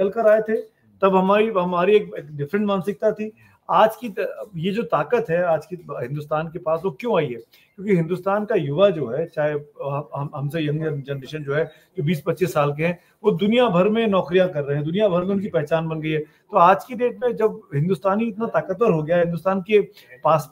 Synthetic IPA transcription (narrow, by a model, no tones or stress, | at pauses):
ɐlkəɾaːet̪ʰe | t̪ɐbɦɐmaːɾiɦɐmaːɾieːk̚eːkɖɪfɾə̃ɳʈmaːnsɪk̚t̪at̪ʰi | aːd͡ʒkijed͡ʒoːt̪aːkət̪ɦɛaːd͡ʒkiɦɪ̃nd̪ʊst̪aːnkepaːsʋokjõaːiɦɛː | kjõːkiɦɪ̃nd̪ʊst̪aːnkajʊʋad͡ʒoːɦɛt͡ʃaːɦeɦɐɦɐɦɐmsejɐ̃ŋəd͡ʒɐnmɪʃənd͡ʒoːɦɛ | d͡ʒobiːspɐtːʃɪsːaːlk̬eɦɛ̃ | ʋod̪ʊnijabʱɐɾmẽnɔːkɾijãkɐɾːɐɦeɦɛ̃d̪ʊnijabʱɐɾmẽʊnk̬ipɛɦt͡ʃaːnbɐnɡəiɦɛː | t̪oaːd͡ʒkiɖeːʈ̚mẽd͡ʒɐbɦɪ̃nd̪ʊst̪aːniɪt̪nat̪aːkət̪̚pɐɾɦoɡɐjaɦɪ̃nd̪ʊst̪aːnke | paːs